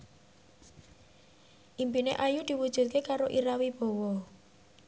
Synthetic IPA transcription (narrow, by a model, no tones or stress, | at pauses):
ʔimbinḛʔajud̪̥i̤wud̥ʒ̥ṳt̪̚kekaɾoʔiɾawib̥ɔ̤wɔ